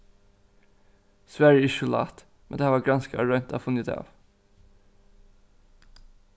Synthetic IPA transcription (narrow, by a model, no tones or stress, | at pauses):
sʋæɹjəɪʃəlɑ̰ːt̪ | mɛnd̪eæːʋɑːɡɾɑnskəɹœʏnt̪ʰɑ̰ːfʉnət̪ʰɑ̰ːʋ